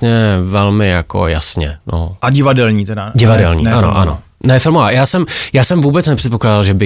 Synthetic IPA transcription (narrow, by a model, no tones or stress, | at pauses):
ɲɛvɛlmɪjako̰ja̰sɲɛno̰aɟɪvadɛlɲiːt̪ɛdaɟɪvadɛlɲḭːʔano̰ʔa̰no̞̰ | nɛfɪlmovaːjaːsɛmjaːsɛmvuːbɛt͡snɛpr̥ɛt̪̚po̞klaːdalʒɛbɪ